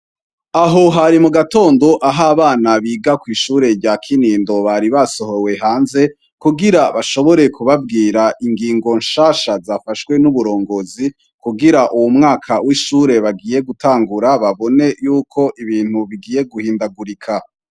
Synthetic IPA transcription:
aɦoɦaɾimuɡato̞ːndo̞ʔaɦaβaːnaβiːɡakwiːʃuːɾe̞ɾɟakʰiniːndo̞βaɾiβaso̞ho̞we̞ɦaːnze̞ | kuɡiɾaβaʃo̞βo̞ɾe̞kʰuβabɡiːɾaʔiŋɡiːŋɡo̞nʃaːʃazafaʃkwe̞nuβuɾo̞ːŋɡo̞zi | kuɡiɾaʔuwumŋaːkʰawiʃuːɾe̞βaɡiːje̞ɡutaːŋɡuɾaβaβo̞ne̞juːkʰo̞ʔiβiːn̥huβiɡiːje̞ɡuhiːndaɡuɾikʰa

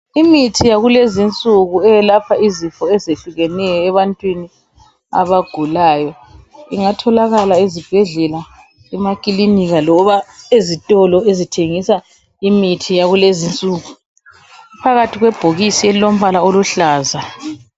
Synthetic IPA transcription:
imitʰijaɣulezint͡sʼuɣuɛjɛlapʰaizifɔɛzeɬuɣɛnɛjɔɛβantʼwini | a̰βaɡ̥ʱulaːjɔ | iŋatʰɔlaɣalaizib̥ʱɛɮɛla | ɛmakʼiliniɣalɔβaezitʼɔlɔezitʰeŋisa | imitʰijaɣulezint͡sʼuːɣu | pʰaɣatʰiɣwɛb̥ʱoɣisiɛilom̩βalaoluɬaːza

